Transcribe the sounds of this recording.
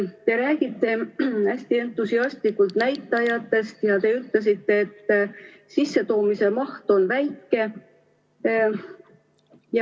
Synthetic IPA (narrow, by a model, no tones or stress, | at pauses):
t̪e̞ɾæːɡ̥it̪ːˑe̞æsʲt̪ie̞nt̪ːˑusiɑst̪likult̪næjt̪ːˑɑjɑt̪ːe̞st̪jɑt̪e̞yt̪le̞s̬it̪ːe̞ːt̪ː | sisːe̞t̪o̞ːmise̞mɑht̪o̞nvæjkːe̞ | j